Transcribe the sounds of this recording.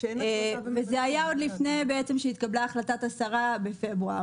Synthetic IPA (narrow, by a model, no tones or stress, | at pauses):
vezeajaod̪lifne̞beet͡se̞mʃeit̪̚kablaːχlat̪at̪asaʁabe̞fe̞bʁua̰